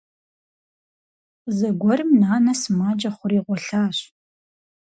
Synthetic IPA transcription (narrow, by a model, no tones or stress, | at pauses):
zɐɡʷɔrɨmnaːnɐsɨmaːd͡ʒɐχʷʊriːʁʷɔɬaːɕ